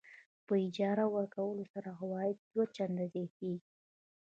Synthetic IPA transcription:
pəɪd͡ʒɑɾawəɾkawəlosaɾaɦawɑjɪd̪̚d̪wat͡ʃand̪azɑt̪eɡi

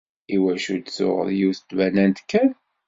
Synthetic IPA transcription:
iwæʃud̪sʊ̰ʁə̰ɾjiwθət̪ːvænænt̪kːæn

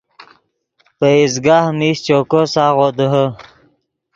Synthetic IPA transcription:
pəizɡaːhmist͡ɕokosaːʁoːd̪əɦə

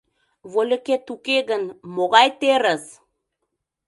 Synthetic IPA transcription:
βolʲə̆ket̪ukeɣənmoɣɑjt̪eɾə̆s

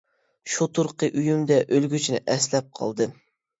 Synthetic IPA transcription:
ʃut̪ʰuɾqəʔyjymd̪ɛʔølɡʲyt͡ʃʰinɪ̰ʔɛslɛp̚qʰɑ̰lˠd̪ɨ

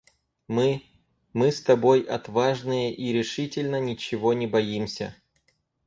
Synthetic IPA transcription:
mɨ | mɨst̪ɐbo̞jɐt̪vaʐnɨjəʔiɾʲɪʂɨtʲɪlʲnənʲɪt͡ɕɪvonʲɪbɐjimsʲə̰

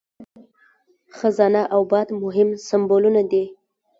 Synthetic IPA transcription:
xazɑnaʔawbɑd̪mʊɦɪmsambolunad̪i

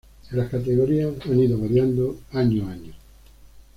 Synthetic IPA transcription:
laskat̪eɣoɾiasaniðoβaɾjand̪oaɲoaɲo

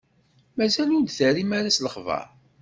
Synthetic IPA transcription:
mæzælund̪θəɾimaɾæsləχvɑ̰ɾ

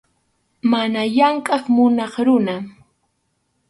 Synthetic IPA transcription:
manajaŋkʼɑχmʊnɑχɾʊna

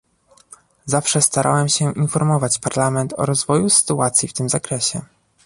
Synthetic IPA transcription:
zafʂɛst̪aɾʔa̰wɛmɕɛʔinfɔɾmɔvat͡ɕpaɾlamɛnt̪ʰɔ̰ɾɔzvɔjusɘ̥t̪uat̪sʲjift̪ɘmzakɾɛɕɛ̰

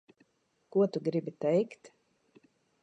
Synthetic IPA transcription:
kuɔt̪uɡɾibit̪ɛjkt̪

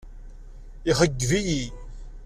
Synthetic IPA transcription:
iχəɡːviji

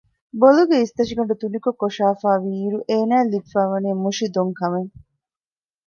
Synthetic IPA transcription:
boluɡeist̪ɐʃiɡɐɳɖut̪unikukoʃaːfaːʋiːɾuʔeːnæːlifaːʋɐneːmuʃid̪oŋkɐmeŋ

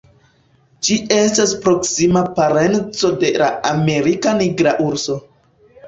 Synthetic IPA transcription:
d͡ʒie̞staspɾo̞ksimapaɾe̞nt͡so̞de̞la̰ame̞ɾikaniɡɾaʔuɾso̞

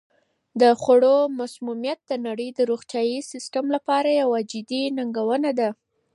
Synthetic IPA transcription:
d̪əxaɽomasmumjat̪̚d̪ənaɽəjd̪əɾuxt̪jɑjisɪsʈamlapɑɾajawad͡ʒɪd̪inaŋɡawənad̪a

